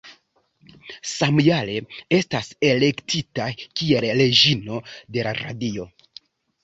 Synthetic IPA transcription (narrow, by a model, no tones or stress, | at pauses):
samujale̞e̞stase̞le̞ktʰitakie̞lle̞d͡ʒino̞de̞laɾa̰dio̞